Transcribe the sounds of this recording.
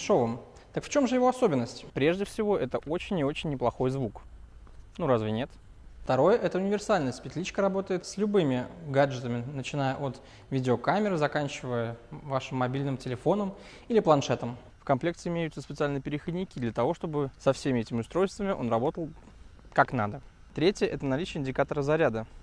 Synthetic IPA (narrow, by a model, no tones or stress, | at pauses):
ʂovəm | t̪əkft͡ɕo̞mʐɨjɪvoɐso̞bʲɪnːəsʲtʲpɾʲe̞ʐdʲɪfsʲɪvo̞ʔɛt̪əʔo̞t͡ɕɪnʲɪo̞t͡ɕɪnʲːɪplˠɐxo̞jzvuk | nuɾazvʲɪnʲe̞t̪ | ft̪ɐɾo̞jəʔɛt̪əʊnʲɪvʲɪrsalʲnəjəspʲɪt̪ʲlʲit͡ɕkəɾɐbo̞t̪əjɪt̪slʲʊbɨmʲɪɡad͡ʐʐɨt̪əmʲɪnət͡ɕɪnajəʔot̪ | vʲidʲɪokamʲɪɾɨzɐkanʲt͡ɕɪvəjəvaʂɨmːɐbʲilʲnɨmtʲɪlʲɪfo̞nəm | ilʲɪplˠɐnʂɛt̪əm | fkɐmplʲe̞kt̪ʲɪɪmʲejʊt̪səspʲɪt̪sɨalʲnɨjəpʲɪɾʲɪxədʲnʲɪkʲid̪lʲət̪ɐvo̞ʂt̪o̞bɨsɐfsʲemʲɪɛtʲɪmʲɪʊst̪ɾo̞jst̪vəmʲɪʔo̞̰nrɐbo̞t̪əlˠ | kaknad̪ə | t̪ɾʲetʲjəʔɛt̪ənɐlʲit͡ɕɪjəɪnʲdʲɪkat̪əɾəzɐɾʲad̪ə